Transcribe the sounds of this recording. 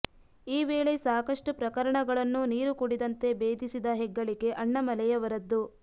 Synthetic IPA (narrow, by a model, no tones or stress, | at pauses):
iːʋeːɭesaːkɐʂʈupɾɐkɐɾɐɳɐɡɐɭɐnːuniːɾukuɽid̪ɐnt̪e̞beːd̪ʱisid̪ɐɦɛɡːɐɭiɡe̞ʔɐɳːɐmɐlɛjɐʋɐɾɐd̪ːu